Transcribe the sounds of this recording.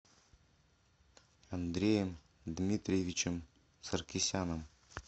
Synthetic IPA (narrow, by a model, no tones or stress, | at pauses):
ɐnd̪ɾʲejəm | d̪mʲit̪ɾʲvʲit͡ɕəm | sərkʲisʲanəm